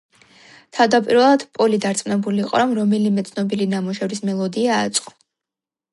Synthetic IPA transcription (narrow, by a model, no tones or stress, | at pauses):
t̪ʰavd̪apʼiɾvɛlˠad̪̥pʼɔlid̪aɾt̪sʼmnɛbuliːqʼɔ̰mɾɔmɛlimɛt̪sʰnɔbilinamuʃɛvɾismɛlˠɔd̪iaːt̪sʼqʼɔ̥